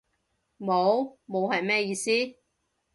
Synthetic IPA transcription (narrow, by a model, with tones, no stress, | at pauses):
mo˨˧wmo˨˧wɦɐ˨jmɛː˥jiː˨˧siː˥